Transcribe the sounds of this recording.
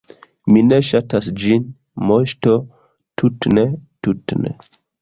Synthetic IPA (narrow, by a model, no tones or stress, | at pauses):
mine̞ʃatasd͡ʒin | moʃto | tutnetutnḛ